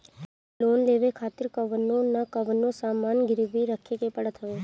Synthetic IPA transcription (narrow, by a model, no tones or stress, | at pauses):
loːnleʋekʰaːt̪ɪɾkəʋənːonakəʋənːosaːmanɡɪɾʋiɾəkʰekepəɽət̪ɦəʋe